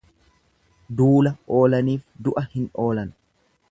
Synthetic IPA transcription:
d̪uːlɐʔo̞ːlɐniːfd̪ʊʔɐhɪno̞ːlɐn

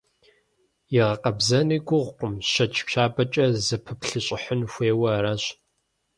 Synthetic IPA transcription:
jɪʁɐqɐbzɐniːɡʷʊʁʷqʷʊmɕɐt͡ʃʼɕʷʰaːbɐt͡ʃʼɐzɐpʰɨpɬɨɕʼɪħənxʷeːwɐraɕ

